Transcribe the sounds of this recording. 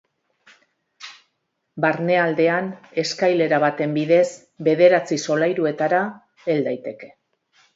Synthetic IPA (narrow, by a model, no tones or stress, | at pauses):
baɾne̞ald̪e̞ane̞skajle̞ɾaβat̪e̞mbiðe̞s | be̞ð̞e̞ɾat͡siso̞lajɾue̞t̪aɾa | e̞ld̪ajt̪e̞ke̞̥